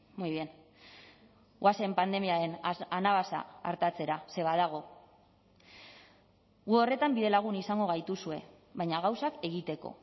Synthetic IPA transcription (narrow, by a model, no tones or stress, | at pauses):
mojβjen | wase̞mpand̪e̞miaɾe̞nanaβasa̰ːɾt̪at͡se̞ɾase̞βaðaɣ̞o̞ | ɣuo̞re̞t̪ambiðe̞laɣ̞unisaŋɡo̞ɣajt̪usue̞ | βajɲaɣ̞awsake̞ɣit̪e̞ko̞̰